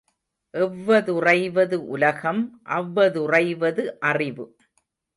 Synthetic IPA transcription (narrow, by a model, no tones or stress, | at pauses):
ʔɛʋːɐðʊrɐɪʋɐðɯʔʊlɐɣɐmʔɐʋːɐðʊrɐɪʋɐðɯʔɐrɪʋɯ